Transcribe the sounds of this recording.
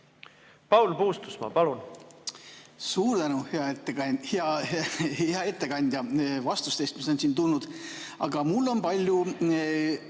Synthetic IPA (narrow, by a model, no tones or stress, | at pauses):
pɑwlpuːst̪usmɑ̰pɑlun | suːɾd̪ænuheɑet̪ːheɑheɑe̞t̪ːe̞kɑnʲd̪ʲjɑvɑst̪ust̪e̞ːst̪miso̞nsiːnt̪ulnːud̪̥ | ɑɡ̥ɑmulːo̞npɑlʲju